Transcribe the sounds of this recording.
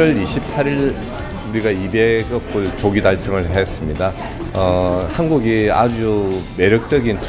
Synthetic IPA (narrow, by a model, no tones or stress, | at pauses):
ʌɭiɕʰipʰaɾiɭ | uɾiɡaibe̞kʌk̚k͈ot͡ɕoɡidaɭt͡ɕʰɯŋɯɭɦes͈ɯmɲida | ʌhanɡuɡia̰d͡ʑume̞ɾjʌk̚t͡ɕ͈ʌɡint